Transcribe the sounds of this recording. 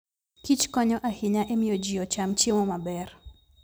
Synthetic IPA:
kit͡ʃkɔɲɔʔahɪɲaʔemɪjɔd͡ʒɪɔt͡ʃamt͡ʃemɔmabɛr

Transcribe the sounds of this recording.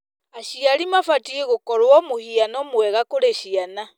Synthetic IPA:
aɕiaɾimafatieɣokɔɾwɔmohianɔmwɛɣakoɾeɕiana

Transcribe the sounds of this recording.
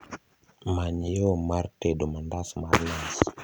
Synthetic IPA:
maɲjomartedomandasmarnas

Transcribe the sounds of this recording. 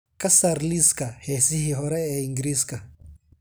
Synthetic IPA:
kɐsaɾliskɐheːsɪhiɦɔɾɛɛɪŋɡɾiskɐ

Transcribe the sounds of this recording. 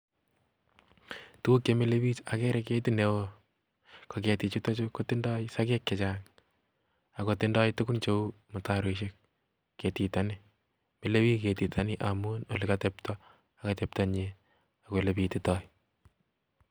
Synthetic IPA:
tukemileβit͡ʃakɛɾɛketinewo | koketit͡ʃutot͡ʃokotindɔjsakɛkːɛt͡ʃaŋ | akotɪndɔjtukunt͡ʃoumʊtaɾeʃek̚ː | etitani | meleβiketitʰanɪʔamunolikatɛptɔ | akatep̚taɲe | akolepititɔj

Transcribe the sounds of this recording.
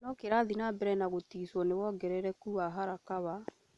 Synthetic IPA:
nɔkeɾaðinabɛɾɛnaɣotiːswɔnewɔːɡɛɾɛɾɛkuaɦaɾakaβa

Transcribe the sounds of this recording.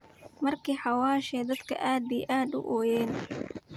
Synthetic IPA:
mɐrkʰiːħɑwaːʃɛːd̪ɐd̪kʰɐ̰ʔaːd̪̚bijʔaːd̪ʊ̰ʔɔːjɛːn

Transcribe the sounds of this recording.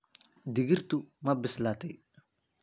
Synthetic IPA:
d̪ɪɣɪrt̪ʊmɐbɪslaːt̪ʰɛj

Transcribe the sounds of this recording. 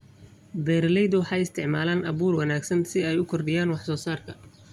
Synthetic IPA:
bɛːɾlɛjd̪ʊwɑħɑjɪst̪ʰɪʕmaːlaːnɐβuːrwɑnaːɡsɐnsɪɛjʊkʰɔrɖɪjaːnwɑħsɔːsaːrkʰɐ

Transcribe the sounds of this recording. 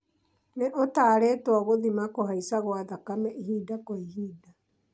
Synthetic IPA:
neʔotaːɾeːtwɔɣoðimakoɦaisaɣwaðakamɛihiːdakɔihiːda

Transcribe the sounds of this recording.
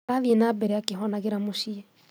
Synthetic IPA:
aðienabɛɾeakeɦɔnaɣeɾamoʃiɛ

